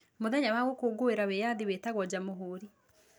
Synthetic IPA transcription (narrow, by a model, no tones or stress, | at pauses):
moðɛɲawaɣokoːɡoeɾawejaðiweːtaɣwɔd͡ʑamoɦoːɾi